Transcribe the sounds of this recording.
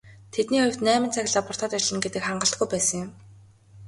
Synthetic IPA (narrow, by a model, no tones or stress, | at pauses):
t̪ʰet̪niːɔj̆wt̪næːmɪ̆nt͡sʰæxʲɪ̆ɮaːpʊr̥t̪aːt̪œt͡ɕɪ̆ɮə̆ŋɡet̪ɘ̆kχaɴɢə̆ɬt̪ɡujpæːsə̆ŋjʊm